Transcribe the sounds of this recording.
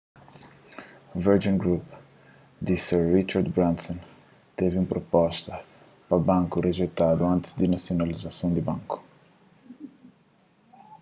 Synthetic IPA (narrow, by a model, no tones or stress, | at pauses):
vɛɾd͡ʒĩŋɡɾup | d̪isɛɾrit͡ʃaɾd̪bɾãnsɔ̃n | t̪evũpɾopɔʃt̪ɐ | pɾɐbɐ̃ŋkureʒejt̪ad̪uɐ̃nt̪ɪ̥zd̪inasijonalizasɐ̃w̃d̪ɪbɐ̃ŋku̥